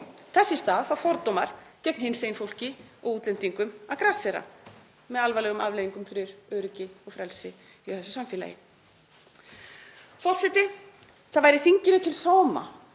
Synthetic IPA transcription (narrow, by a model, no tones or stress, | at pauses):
θɛsːɪst̪aːðfawɾfɔɾt̪owmaɾ̥cɛpnhɪnsejnfowl̥cɪɔɣuːt̪lem̥t̪iŋkʏmaðkɾasɛɾa̰ | mɛðalvalɛɣʏma̰vlːjviŋkʏmfɪɾɪɾœːɾʏcɪɔɣfɾɛlsɪ | iɔθɛsʏ̥samfɪːla̰jɪ̰ | fɔ̥sɛt̪ɪ | θaðvajɾɪθiɲcɪnʏt̪ʰɪlsaːwma̰